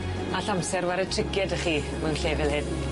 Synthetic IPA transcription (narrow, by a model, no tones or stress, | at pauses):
aɬamsɛrwaɾɛtʰrɪɡjɛdəχiː | mɛwnɬeːvɪlˠhɪn